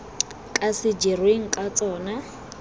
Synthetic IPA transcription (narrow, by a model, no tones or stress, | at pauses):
kʼasɪd͡ʒirweŋ̩kʼat͡sʼɔːna